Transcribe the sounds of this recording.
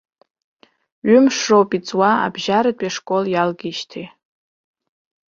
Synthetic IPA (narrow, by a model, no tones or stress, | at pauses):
ɥʏmʂrowpʼit͡sʼwaa̰bʒaɾadʷʼaʂkʼoljalɡʲiʃtʰe